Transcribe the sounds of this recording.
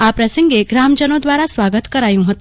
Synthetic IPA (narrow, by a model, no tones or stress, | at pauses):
apɾəsəŋɡeɡɾamd͡ʒənod̪ʋaɾasʋaɡət̪kəɾajũɦət̪ũ